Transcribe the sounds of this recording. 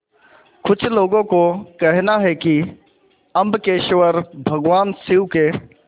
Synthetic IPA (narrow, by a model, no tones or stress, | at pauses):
kʊt͡ʃʰloːɡõkokɛɦnaɦɛki | ɐ̃mbkeːʃʋəɾbʱɐɡʋaːnsɪwke